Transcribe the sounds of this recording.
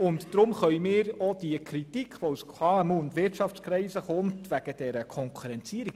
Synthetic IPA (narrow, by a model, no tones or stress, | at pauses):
ʊntd̥ɾʊmχœʏjmɪːɾɔd̥iəkɾitikʰʋɔusʰɑɛmundʋɪtʃɑft͡skɾɛɪsəχʊmtʋæɡ̥əd̥ɛɾəkʰɔŋkʰuɾɛnt͡siəɾik